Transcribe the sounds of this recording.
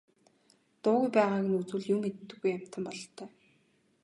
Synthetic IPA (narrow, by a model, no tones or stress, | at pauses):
t̪ʊːɣujpæːʁaːɡɘ̆nut͡sŭːɮjʊmːet̪ːɘ̆ɡujːam̥ʲt̪ə̆mpɔɮt̪ʰːœː